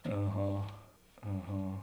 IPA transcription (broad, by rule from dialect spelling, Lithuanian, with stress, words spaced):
ɐˈɣɐ ɐˈɣɐ